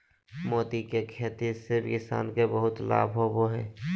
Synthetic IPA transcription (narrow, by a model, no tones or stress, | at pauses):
mɔːt̪ikekʰeːt̪isɪbkɪsa̰ːnkebəɦʊt̪la̰ːbʱɦoboɦɛː